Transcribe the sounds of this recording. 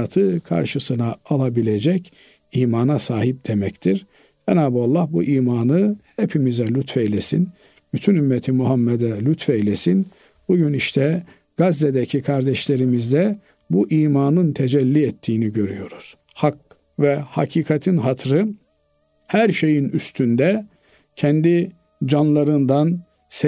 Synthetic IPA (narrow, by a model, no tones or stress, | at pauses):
at̪ʰɯkʰa̰ɾʃɯsɯnaːlˠabilʲed͡ʒɛc | iːmaːnasaːɦip̚d̪̥emɛct̪ʰiɾ | d͡ʒɛnaːbualˠːahbuʔiːmaːnɯhepʰimizɛlʲyt̪fɛjlʲesḭn | b̥yt̪ʰynymːɛt̪ʰimuɦamːɛd̪ɛlʲyt̪fɛijlʲesin | b̥uɟyniʃt̪ʰɛ | ɡ̥azːed̪ɛcʰikʰaɾd̪ɛʃlʲeɾimizd̪ɛ | buʔiːmaːnɯnt̪ʰed͡ʒɛlʲːiɛt̪ʰːiːniɟø̞ɾyjo̞ɾuz̥ | hak̚ | vɛha̰cʰiːkʰat̪ʰinɦat̪ʰɾɯ | hæɾʃe̞jinyst̪ʰynd̪ɛ | cʰɛnd̪i | d͡ʒanlˠaɾɯnd̪an | s